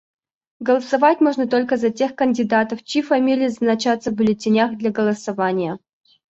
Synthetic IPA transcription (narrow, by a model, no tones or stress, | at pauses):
ɡəlˠəsɐvatʲmoʐnət̪olʲkəzɐtʲexkənʲdʲɪd̪at̪əft͡ɕifɐmʲilʲɪjəznat͡ɕat̪səbʊlʲɪtʲɪnʲaxd̪lʲaɡəlˠəsɐvanʲɪjə